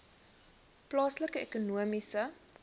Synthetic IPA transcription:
plɑːsləkəɛkunuəmisə

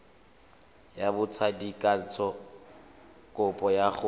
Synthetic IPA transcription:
jabʊt͡sʰadikʼan̩t͡sʰɔ | kʼʊpʼɔjaɣʊ

